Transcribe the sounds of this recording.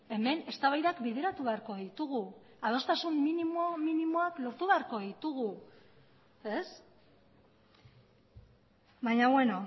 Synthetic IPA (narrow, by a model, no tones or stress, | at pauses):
e̞me̞ne̞st̪aβajðakbeð̞e̞ɾat̪uβe̞aɾko̞ðit̪uɣu | að̞o̞st̪asumːinimominimoaklo̞ɾt̪uβe̞aɾko̞ðit̪uɣ̞u | e̞s | βajɲaβwe̞no̞